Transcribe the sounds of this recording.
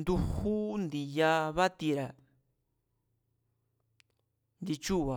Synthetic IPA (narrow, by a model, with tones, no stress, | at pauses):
nd̪u˧hu˦nd̪i˨ja˧βa˦t̪i˧ɾa˨ | nd̪i˧t͡ʃu˦˨βa˨